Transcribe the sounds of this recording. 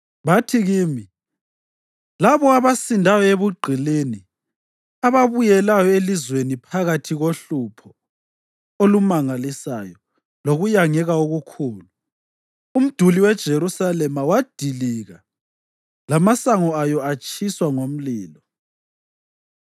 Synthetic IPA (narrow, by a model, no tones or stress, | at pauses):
βatʰiɣiːmi | laβɔaβasindʱajɔeβuɡ͡ǃʱileni | aβaβujɛlajɔelizwenipʰaɣatʰiɣoɬupʰɔ | olumaŋalisa̰jɔ | loɣujaŋɛɣaoɣukʰuːlu | um̩d̥ʱuliwɛd̥ʒ̥ʱeɾusalɛmawad̥ʱiliɣa | lamasaŋɔajɔat͡ʃʰʼiswaŋom̩liːlɔ